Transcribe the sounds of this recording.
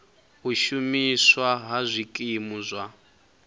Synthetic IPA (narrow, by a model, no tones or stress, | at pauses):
ɦuʃumiswaɦazʷikʼimuzʷa